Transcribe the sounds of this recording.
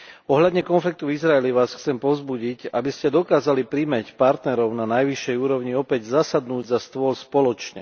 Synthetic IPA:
ɔɦʎad̪ɲɛkɔnflik̚t̪uizɾaɛliʋaːsxt͡sɛmpɔzbuɟicabiscɛd̪ɔkaːzalipɾimɛcpaɾt̪nɛɾɔʊnanajʋiʃːɛjuːɾɔʊɲiɔpɛɟzasad̪nuːɟzast̪ʊɔlspɔlɔt͡ʃɲɛ̰

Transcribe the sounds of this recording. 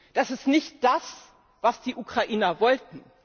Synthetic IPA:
d̥asɪstnɪçt̚d̥as | vasd̥iːʔukʁ̥aʔiːnɐvɔltn̩

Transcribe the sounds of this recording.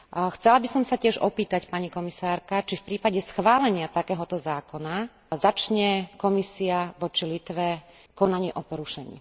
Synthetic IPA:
xt͡sɛlabisɔmsacɪɛʒɔpiːt̪acpaɲikɔmisaːɾkat͡ʃifpɾiːpaɟɛsxʋaːlɛɲɪat̪akɛːɦɔt̪ɔzaːkɔna | zat͡ʃɲɛkɔmisiaʋɔt͡ʃilit̪ʋɛ | kɔnaɲɪiʔɔpɔɾuʃɛɲḭː

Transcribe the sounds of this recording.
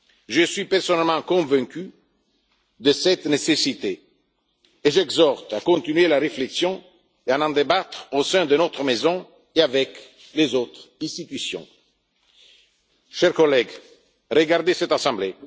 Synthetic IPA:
ʒəsɥipɛʁsɔnɛlmɑ̃kɔ̃vɛ̃ky | d̪əsɛt̪nesesit̪eː | ʒɛɡzɔʁt̪akɔ̃nt̪inɥelaɾefleksjɔ̃ | eanɑ̃d̪ebat̪χosɛ̃d̪ənot̪χmezɔ̃ | eavɛk | lezot̪χɛ̃st̪it̪ysjɔ̰̃ | ʃɛʁkɔlɛɡ | rəɡaʁd̪esɛt̪asɑ̃mble

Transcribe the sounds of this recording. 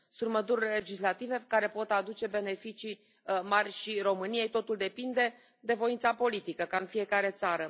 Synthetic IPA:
sut̪məd̪urʲle̞d͡ʒislat̪ive̞kaɾe̞po̞t̪ad̪ut͡ʃe̞be̞ne̞fit͡ʃi | marʲʃiro̞mɨnije̞jt̪ot̪uld̪e̞pind̪e̞ | d̪e̞vo̞int̪sapo̞lit̪ikəkaɨnfije̞kaɾe̞t̪saɾə

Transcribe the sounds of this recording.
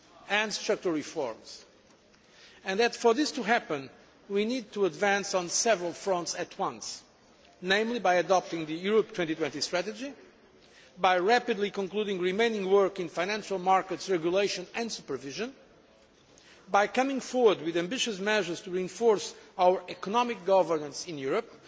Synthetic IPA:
ɨ̃nstɹak̚tə˞ɹifɔ̰ɹmz̥ | ɨ̃nðɨtfɔ˞ðɪstuɦæpə̃n | winid̪̚tʰuədvæ̃nsɔ̃n̩sɛvɹəlˠfɹɔ̃ntsɨtʰwʌ̃ns | nẽɪ̃mlibajɨdɔp̚tɪ̃ŋðɨjuɹɔp̚tʰwɛ̃ntit̪wɛ̃ntistɹætɨd͡ʒi | bajɹæpɨd̪ˡlikɔ̃ŋkluɾɪ̃ŋɹimẽɪ̃nɪ̃ŋwɜ˞kɪ̃nfaɪnæ̃nʃəlˠmaɹkətsɹɛɡjuleɪʃɨ̃nɨ̃ndsupə˞vɪʒɨ̃n | bajkʌmɪ̃ŋfɔɹwə˞d̚wɨðæ̃mbɪʃɨsmɛʒə˞z̥tuɹiɨ̃ɱfɔɹsawə˞ʔɛkɔnɔmɪk̚ɡʌvə˞nə̃nsɪ̃njuɹəp̚

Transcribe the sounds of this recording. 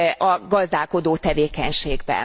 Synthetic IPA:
ʔɒɡɒzd̪aːlko̞d̪oːt̪ɛveːkɛɲʃeːɡbɛ̰n

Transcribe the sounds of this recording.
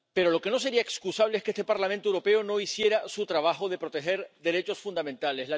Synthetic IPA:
pe̞ɾo̞lo̞ke̞no̞s̬e̞ɾiaekskusaβleeskeest̪e̞paɾlamẽnt̪owɾo̞pe̞o̞no̞isje̞ɾasut̪ɾaβ̞axo̞ðe̞pɾo̞t̪e̞xe̞ɾd̪e̞ɾe̞t͡ʃo̞sfund̪amẽnt̪alesla

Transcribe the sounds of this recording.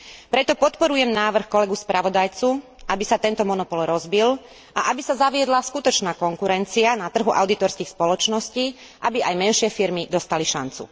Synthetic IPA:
pɾɛt̪ɔpɔt̪pɔɾujɛmnaːʋr̩xkɔlɛɡuspɾʔaʋɔd̪ajt͡su | ʔabisat̪ɛnt̪ɔmɔnɔpɔlɾɔzbil | aʔabisazaʋɪɛd̪laskut̪ɔt͡ʃnaːkɔŋkuɾɛnt͡sianat̪r̩ɦuʔaʊd̪it̪ɔɾskiːxspɔlɔt͡ʃnɔsciː | ʔabiʔajmɛnʃɪɛfiɾmid̪ɔst̪aliʃa̰nt͡sṵ

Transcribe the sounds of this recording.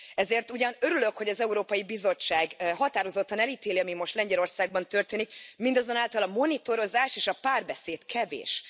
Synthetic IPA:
ɛzeːrt̪uɟɒnø̞ɾyløkho̞ɟɒzɛuɾoːpɒjibizo̞t͡ʃːaːɡɦɒt̪aːɾo̞zo̞t̪ːɒnɛlit̪eːliɒmimo̞ʃt̪lɛɲɟɛlo̞rsaːɡ̚bɒnt̪ø̞rt̪eːnikmind̪ɒzo̞naːlt̪ɒlɒmo̞nit̪o̞ɾo̞zaːʃeːʃɒpaːrbɛseːt̪kʰɛvḛːʃ

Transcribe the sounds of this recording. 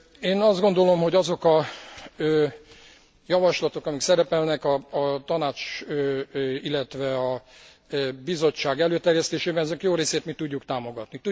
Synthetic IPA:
eːnɒzd̪ɡo̞nd̪o̞lo̞mho̞ɟɒzo̞kɒ | jɒvɒʃlɒt̪o̞kɒmiksɛɾɛpɛlnɛkɒːt̪ɒnaːt͡ʃøilːɛt̪ʋɛɒ | bizo̞t͡ʃːaːɡɛløːt̪ɛrjɛst̪eːʃeːbɛnɛzɛkjoːɾeːseːt̪mit̪uɟːukt̪aːmo̞ɡɒt̪nit̪u

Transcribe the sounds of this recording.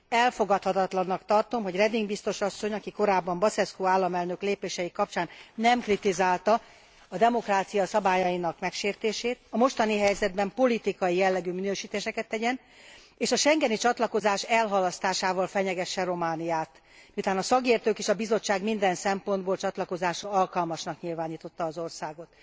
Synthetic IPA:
ɛlfo̞ɡɒt̪hɒt̪ɒt̪lɒnːɒkt̪ɒrt̪o̞mɦo̞ɟrɛd̪iŋɡbist̪o̞ʃɒsːo̞ɲɒkiko̞ɾaːbːɒmbɒsɛskoːaːlːɒmɛlnø̞kleːpeːʃɛjikɒp̚t͡ʃaːnnɛmkrit̪izaːlt̪ɒ | ɒd̪ɛmo̞kraːt̪sijɒsɒbaːjɒjinɒkmɛkʃeːrt̪eːʃeːt̪ɒmo̞ʃt̪ɒniɦɛjzɛd̪bɛmpo̞lit̪ikɒjijɛlːɛɡyːminøːʃiːt̪eːʃɛkɛt̪ːɛɟɛn | eːʃɒʃɛŋɡɛnit͡ʃɒt̪lɒko̞zaːʃɛlɦɒlɒst̪aːʃaːvɒlfɛɲɛɡɛʃːɛro̞maːnijaːt̪ | miut̪aːnɒsɒkeːrt̪øːkeːʃɒbizo̞t͡ʃːaːɡmind̪ɛnsɛmpo̞nd̪boːlt͡ʃɒt̪lɒko̞zaːʃɒɒlkɒlmɒʃnɒkɲilvaːniːt̪o̞t̪ːɒːzo̞rsaːɡo̞t̪

